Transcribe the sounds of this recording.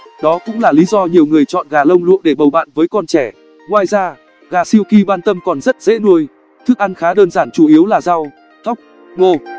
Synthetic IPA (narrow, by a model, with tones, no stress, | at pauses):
ɗɔ˨˦kʊ̰˧˥ŋ͡mlaː˨˩li˨˦zɔ˧ɲi˨˩əwŋɨ˨˩əjt͡ɕɔ̰˧˨nɣaː˨˩lə˧wŋ͡mlṵ˧˨əɗe˧˩ɓə˨˩wɓa̰ː˧˨nvəː˨˦jkɔ˧nt͡ɕɛ˧˩ | ŋwaː˧jzaː˧ | ɣaː˨˩si˧əwki˧ɓaː˧nt̪ə˧mkɔ˨˩nzə˦˥t̚zḛ˧˥nu˧əj | t̪ʰɨ˦˥ək̚ʔa˧nxaː˨˦ɗəː˧nzaː˧˩nt͡ɕu˧˩ʔi˨˦əwlaː˨˩za˧w | t̪ʰə˦˥wk͡p̚ | ŋo˧